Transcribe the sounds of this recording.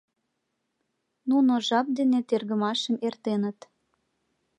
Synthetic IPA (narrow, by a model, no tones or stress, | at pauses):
nunoʒɑp̚d̪enet̪erɣəmɑʃəmert̪enət̪